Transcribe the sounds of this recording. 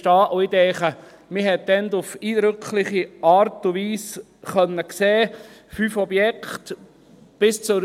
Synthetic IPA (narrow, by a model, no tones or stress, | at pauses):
tɑːʔoid̪ɛːχə | mɪɦɛt̚dɛndʊfiːd̪ɾʏkʰlɪχiɑːɾtuʋiːs | χœnːəkseː | fyːfɔbjɛkχt | b̥ɪst͡sʊɾ